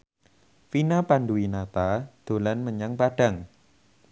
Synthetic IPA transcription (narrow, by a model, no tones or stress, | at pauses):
finapanduinat̪ad̪̥o̤lanməɲaŋpaɖ̥a̤ŋ